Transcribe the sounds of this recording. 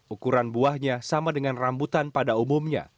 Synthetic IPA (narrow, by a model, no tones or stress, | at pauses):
ʔukuɾanbuahɲasamadəŋanrambut̪anpadaumumɲa̰